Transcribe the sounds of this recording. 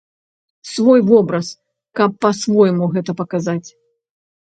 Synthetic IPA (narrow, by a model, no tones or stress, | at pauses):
svɔjvɔbɾɐs | kɐpːɐsvɔjmuɣɛt̪ɐpɐkazat͡sʲ